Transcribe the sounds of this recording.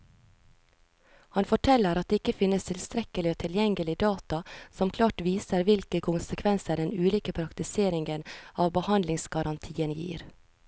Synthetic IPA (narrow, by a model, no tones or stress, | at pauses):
hɑnfɔʈʰɛlːəɾʔɑt̪̚d̪eːɪkəfɪnːəst̪ʰɪlst̪ɾɛkəlɪoːt̪ʰɪljɛŋɡəlɪd̪ɑːt̪ɑsɔmkʰlɑːʈʋiːsəɾʋɪlkəkʰʊnsəkʰʋɛnsəɖɛnʉːliːkəpʰɾɑkt̪ɪseːɾɪŋɡənɑːʋbəhɑnd̪lɪŋsɡ̥ɑɾʔɑnt̪ʰiːənjḭːɾ